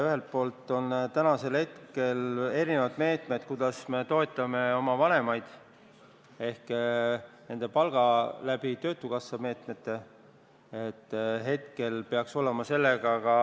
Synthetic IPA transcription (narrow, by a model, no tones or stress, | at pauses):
yɦe̞lt̪̚po̞ːlt̪ːˑo̞nt̪ænɑse̞lhe̞t̪ke̞le̞ɾine̞vɑd̪̥me̞ːt̪ˑme̞d̪̥kud̪ɑsme̞t̪o̞e̞t̪ːˑɑme̞o̞mɑvɑne̞mɑjd̪̥ | e̞hk | ne̞nd̪epɑlɡ̥ɑlæb̥it̪ø̞ːt̪ːˑukɑsːɑme̞ːt̪me̞t̪ːe̞ | et̪ˑːɦe̞t̪ke̞lpeɑkso̞le̞mɑse̞lːeɡ̥ɑkɑ